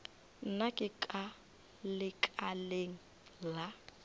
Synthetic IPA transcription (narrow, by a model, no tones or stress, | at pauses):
n̩nakʼɪkʼa | lɪkʼaleŋ̩ | la